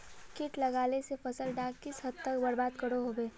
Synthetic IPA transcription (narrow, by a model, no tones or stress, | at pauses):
kɪʈlɐɡaːlesefɐsəlɖaːkɪsɦɐd̪t̪əkbɐɾbaːd̪kəɽoɦobeː